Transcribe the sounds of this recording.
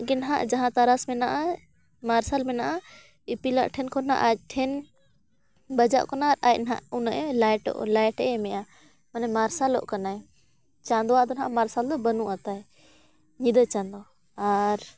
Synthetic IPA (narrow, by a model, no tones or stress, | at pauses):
ɡɛnɦaʔd͡ʒaɦãt̪aɾasmɛnaʔa | maɾsalmɛnaʔa | ipila̰ʔʈʰɛnkʰɔna̰ʔac̚ʈʰɛn | bəd͡ʒaʔkɔnaːɾacnɦa̰ʔunaʔlajʈɔ̰ʔlajʈɛʔɛmɛja | manɛmaɾsalɔ̰ʔkanaj | t͡ʃãnd̪ɔwaʔd̪ɔnɦaʔmaɾsald̪ɔbənuʔat̪aj | ɲid̪ət͡ʃand̪ɔ | aɾ